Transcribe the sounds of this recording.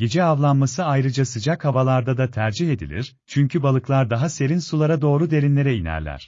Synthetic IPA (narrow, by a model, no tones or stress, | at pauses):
ɟed͡ʒɛavlˠanmasɯajɾɯd͡ʒasɯd͡ʒakhavalˠaɾd̪ad̪at̪ʰæɾd͡ʒihe̞d̪ḭlʲḭɾ̥ | t͡ʃʰyɲcʰybalˠɯklˠaɾd̪aɦase̞ɾinsulˠaɾad̪o̞ːɾud̪e̞ɾinlʲe̞ɾɛinæ̰ɾlʲæ̰ɾ̝̥